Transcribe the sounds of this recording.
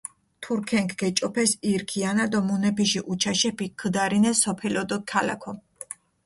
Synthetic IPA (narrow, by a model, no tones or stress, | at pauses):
t̪ʰuɾkʰɛŋkʰɡɛt͡ʃʼɔpʰɛsiɾkʰianad̪ɔmunɛpʰiʃiʔut͡ʃʰaʃɛpʰikʰːd̪aɾinɛsɔpʰɛlɔd̪ɔkʰala̰kʰɔ